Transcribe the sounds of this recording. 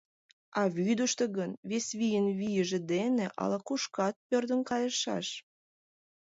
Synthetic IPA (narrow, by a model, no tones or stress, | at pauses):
ɑβyd̪əʃt̪əɣənβesβijənβijəʒĕd̪eneʔɑ̰lɑkuʃkɑt̪̚pørd̪ənkɑjəʃɑ̰ʃ